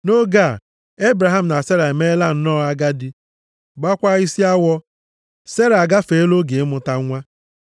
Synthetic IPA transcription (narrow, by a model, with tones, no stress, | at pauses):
no˦ɡa˦˨ | e˦bɾa˨ɦa˦˨m̩˨na˨se˦ɾa˨e˨me˦la˦n̩˦nɔ˦a˦ɡa˦dɪ˦ | ɡ͡ba˦kʷa˦i˦si˦a˦wɔ˦ | se˦ɾa˨a˨ɡa˦fe˨˦lo˦ɡe˨ɪ˦mʊ˦ta˦ŋʷa˦